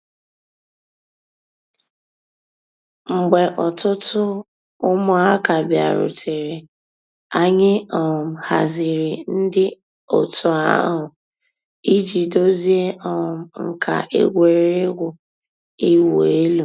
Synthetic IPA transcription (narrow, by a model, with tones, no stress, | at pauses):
ŋ͡m̩˨ɡ͡be˨ʔɔ˨tʊ˦tʊ˦ | ʊ˦mʊ˦a˦ka˨bja̰˨ɾʊ̰˨tʰe˨ɾe˨ | a˦ɲɪ˦ɔ˨m̩˨ha˨zi˨ɾi˨n̩˦dɪ˦ | o˨tʊ˨˦a̰˦ɦʊ˨ | i˦d͡ʒi˨do˦zi˦e˦ʔɔ˨m̩˦ŋ̩˨kʰa̰˨ʔḛ˦ɡʷe˨ɾe˦ɡʷʊ˨ | i˦wo˨e˦lu˨